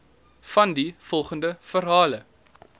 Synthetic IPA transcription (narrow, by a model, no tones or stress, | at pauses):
fɐndifɔlˠχəndəfəɾɦɑːlə